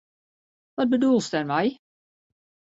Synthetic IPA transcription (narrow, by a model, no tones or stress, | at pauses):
ʋɔt̚bədulˠstɛrmɛj